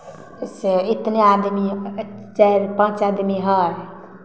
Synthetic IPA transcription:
sit̪nead̪mit͡ʃaɾpãːt͡ʃaːd̪miɦaːɾ

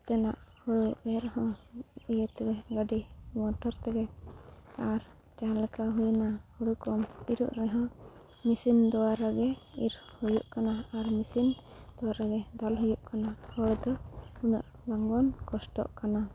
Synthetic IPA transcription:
t̪ɛna̰ʔhuɽuɛɾhɔ̃ijət̪ɛɡɛɡəɖimɔʈɔɾt̪ɛɡɛ | aɾ | t͡ʃalɛkaɦujunahuɽukɔmiɾṵʔɾɛɦɔ̃ | misind̪ɔwaɾaɡɛḭɾhujuʔkanaaɾmisind̪̥ɔwaɾaɡɛd̪alɦujuʔkanahəɽd̪ɔuna̰ʔ | baŋɡɔnkɔsʈɔ̰ʔkana

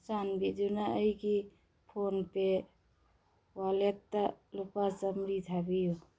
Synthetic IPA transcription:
sanbid͡ʒunaəjki | pʰonpe | walet̪ːəlupasəmɾit̪ʰabiju

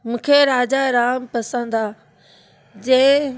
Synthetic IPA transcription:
mũːkʰeɾaːd͡ʑaːɾaːmpɐsə̃nd̪aː | d͡ʑeː

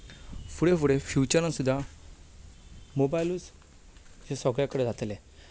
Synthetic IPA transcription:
fuɽefuɽefjut͡ɕəɾãnsud̪ʱːa | mobajlus | d͡ʑesəɡɭjakəɽed͡zʱat̪le

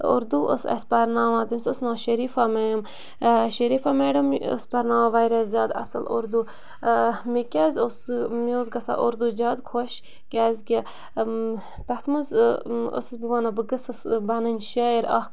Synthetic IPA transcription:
o̰ɾd̪uːʔə̰sɐ̰sʲpɐɾnaːʋaːt̪imsʲosnãːʃɐɾiːfameːjm | ʃɐɾiːfameːɖɐmə̰spɐɾnaːmaʋaːjɾɐzzʲaːd̪ɐ̰sɐ̰lo̰ɾd̪uː | mikʲaːzʲosmioːzɡɐsa̰ʔoɾd̪uːd͡ʒaːd̪kʰoʃ | kʲaːzʲkʲɐ | t̪ɐt̪ʰmɨzo̰sɨsbiʋaːnabɨɡɐsɐsbɐnɐnʲʃɐeɾa̰

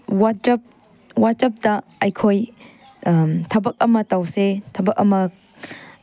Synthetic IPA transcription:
wad͡ʒɐp̚ | wat͡ʃɐp̚dɐ | ɐjkʰoj | tʰɐbɐk̚ɐmɐtawsetʰɐbɐk̚ɐmɐ

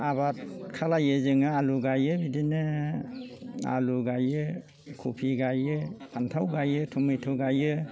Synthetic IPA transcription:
abat̚kʰalajɯzɯŋɯaluɡajɯbidinɯ | a̰luɡajɯ | kʰupʰiɡajɯpʰantʰawɡajɯtʰumɯjtʰɔɡajɯ

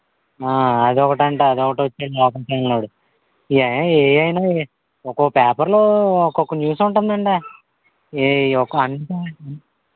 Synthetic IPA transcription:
aːɐd̪iɔkɐʈɐɳʈaɐd̪iɔkɐʈʋɐt͡ʃːaːɭaːɐkaːʃɐɐlnaːɽu | iɐjnaːeːjɐjnaː | ɔkoːpɛːpɐɾloːɔkːɔkːɐnjuːsuɳʈund̪ɐɳʈaː | eɔkːɐnt̪a

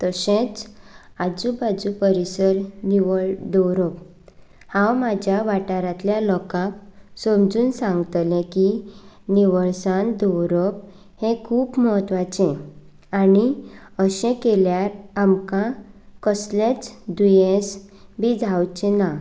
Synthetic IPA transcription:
t̪əɕẽt͡sad͡zubad͡zupəɾisəɾniʋəɭd̪ɔwɾɔp̚ | hãwmad͡ʑʱjaʋaʈaɾãt̪ljalɔkãksəmd͡zuːnsãŋɡt̪lẽki | niʋəɭsãnd̪ɔwɾɔp | hẽkʰuːbmɔɦət̪ʋat͡ɕẽ | aniəɕẽkeljaɾamkãkəslẽt͡sd̪ujẽs | bʱid͡zʱawt͡ɕẽna

